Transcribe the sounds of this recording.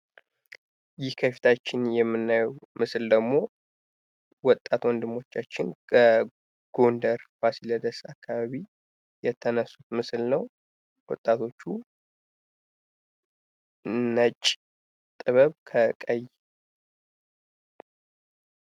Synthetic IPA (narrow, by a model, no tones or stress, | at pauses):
jɪhkʰəfi̥t̪ʰat͡ʃːɪnjɛmːɨnːajwmɨsɨld̪əɡmo̞ | wɔt̪ʼat̪wɔnd̪ɨmo̞t͡ʃːat͡ʃːɪnkʰə | ɡ̥ond̪əɾfasiləd̪əsakʰːaβaβi | jɛt̪ʰənəsut̪mɨslnəw | wɔt̪ʼːat̪ʰo̞t͡ʃːu | nət͡ʃʼ | t̪ʼɨβəβkʰəkʼəj